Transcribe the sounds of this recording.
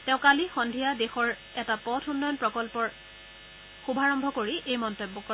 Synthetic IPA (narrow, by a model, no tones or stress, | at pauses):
tɛ̃ʊ̃kalixɔndʱijadexɔɹ | ɛtapɔtʰunːɔjɔnpɹɔkɔlpɔɹ | xubʱaɹɔmbʱɔkoɹiʔejmɔntobːɔkɔ